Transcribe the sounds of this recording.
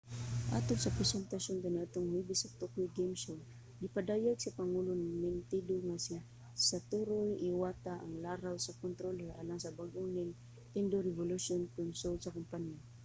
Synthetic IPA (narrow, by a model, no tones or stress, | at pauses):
ʔa̰t̪onsɐpɾɛsɛnt̪aʃont̪anat̪oŋhibɪsɐt̪okiɡɛmsol | ɡɪpad̪aːjaɡ̚sɐpɐŋulʊnaŋmɪnt̪id̪oŋasi | sat̪uɾojɪwat̪aʔɐŋlaːɾawsɐkont̪ɾolaɾʔalaŋsɐbaɡʔʊnɪŋ | t̪ɪnd̪oɾɛvʊlʊsonkʊnsolsɐkʊmpanja